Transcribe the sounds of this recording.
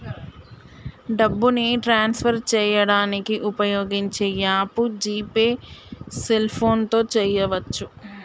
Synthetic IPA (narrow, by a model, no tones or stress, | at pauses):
ɖɐbːuniʈɾaːnspʰɐɾt͡ʃɛːjɐɽaːnikiʔupɐjoːɡiɲt͡ʃeːjaːpud͡ʒiːpeːselpʰo̞ːnt̪o̞ːt͡ʃɛːjɐʋɐt͡ʃːu